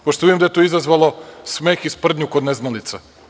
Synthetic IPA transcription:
poʃt̪oid̪imd̪ajet̪oizazʋalˠo̞smeːxispr̩d̪ɲukod̪neznalit̪sa

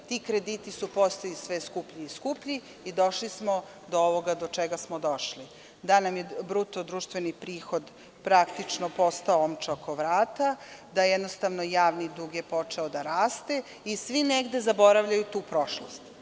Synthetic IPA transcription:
t̪ikɾe̞d̪iːt̪isupost̪oisʋeskupʎiiskupʎi | id̪o̞ʃlismo | d̪ooʋoɡad̪ot͡ʃeɡasmod̪o̞ʃli | d̪anamje̞bɾut̪od̪ɾuːʃt̪ʋenipɾiːxo̞d̪ | pɾakt̪it͡ʃnopo̞st̪aoomt͡ʃeokʰo̞ʋɾaːt̪ad̪ajejed̪nost̪aʋnojaːʋnid̪uɡjepo̞t͡ʂeod̪aɾaːst̪e̞ | isʋineɡd̪e̞zabo̞ɾaʋʎajut̪uːpɾo̞ʃlost̪

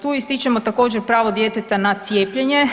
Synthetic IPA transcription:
t̪uːist̪it͡ʃemo̞t̪ako̞ːd͡ʑe̞ɾpɾaːʋo̞d̪jet̪et̪anat̪sjeːpʎe̞ɲe

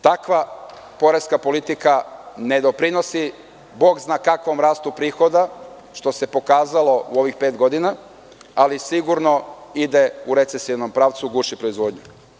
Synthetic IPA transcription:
t̪akʋa | po̞ɾeskapo̞lit̪ikane̞d̪o̞pɾino̞si | bo̞ːɡznaːkakʋo̞mɾaːst̪upɾiːxo̞d̪a | ʃt̪o̞se̞po̞kaːzalo̞uo̞ʋixpe̞ːt̪ɡo̞d̪ina | alisiɡuɾno̞id̪e̞uɾe̞t̪se̞siʋno̞mpɾaːʋt̪suɡuːʃipɾo̞izʋo̞ːd̪ɲu

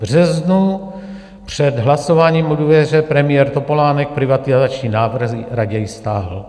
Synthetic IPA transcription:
vr̝ɛznu | pr̝̥ɛd̪ɦlasovaːɲiːmudvɛrɛpɾɛmɪjɛɾt̪o̞po̞laːnɛk̚pɾɪvat̪ɪzat͡ʃɲiːnaːvr̩xɾaɟɛjst̪aːɦl̩

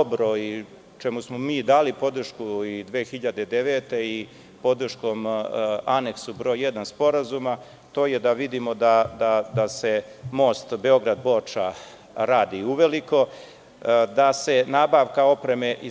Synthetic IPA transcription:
bɾoi | t͡ʃemusmomiːd̪aːlipo̞d̪r̩ʃkuid̪ʋeːxiʎad̪e̞d̪e̞ʋe̞ːt̪e̞i | po̞d̪r̩ʃko̞mane̞ksubɾojed̪anspo̞ɾazuma | t̪o̞ːjed̪aʋid̪imo̞d̪ad̪ad̪ase̞mo̞ːst̪be̞o̞ɡɾad̪bo̞t͡ʂa | ɾaːd̪iuʋe̞liko̞ | d̪ase̞naːbaːʋkao̞pɾe̞me̞ʔi

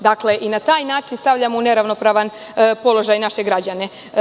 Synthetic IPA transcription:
d̪akle̞ʔinat̪aːjnaːt͡ʃinst̪aʋʎamoune̞ɾaʋno̞pɾaːʋan | po̞lo̞ʒajnaʃe̞ɡɾad͡ʑane̞

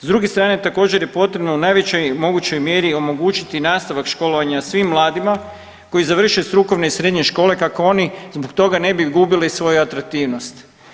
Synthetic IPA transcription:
zd̪ɾuɡe̞st̪ɾaːne̞t̪ako̞ːd͡ʑe̞ɾjepo̞t̪ɾe̞bno̞unaːjʋet͡ɕemo̞ɡut͡ɕo̞jmje̞ɾio̞mo̞ɡut͡ʃit̪inaːst̪aʋakʃko̞loʋaɲasʋimːlˠaːd̪ima | ko̞jizaʋr̩ʃest̪ɾuko̞ʋne̞isɾe̞d̪ɲe̞ʃko̞ːle̞kako̞onizbokt̪o̞ɡane̞biɡubilisʋo̞juat̪ɾak̚t̪iːʋno̞st̪

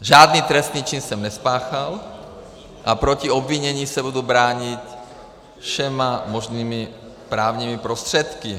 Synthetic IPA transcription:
ʒaːd̪niːt̪ɾɛst̪niːt͡ʃinsɛmnɛspaːxal | ʔapɾɔciɔbʋiɲɛɲiːsɛbud̪uːbɾaːɲic | fʃɛmamɔʒniːmi | pɾaːʊɲimipɾɔst̪r̝̥ɛt̪ki

